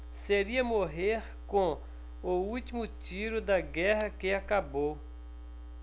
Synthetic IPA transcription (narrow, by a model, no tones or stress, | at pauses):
seɾiɐmoɦeɾ | kõ | out͡ʃimut͡ʃiɾod̪aɡɛɦɐkeakabo